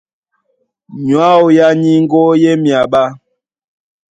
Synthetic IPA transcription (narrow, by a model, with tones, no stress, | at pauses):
ɲwa˦o˨ja˦ɲi˦ŋ̩˦ɡo˦je˦mja˨ɓa˦